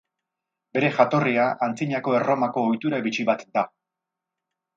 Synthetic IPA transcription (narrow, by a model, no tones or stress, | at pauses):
be̞ɾe̞xat̪o̞riaʔant͡siɲako̞e̞ro̞mako̞ːjt̪uɾaβit͡ʃiβat̪d̪a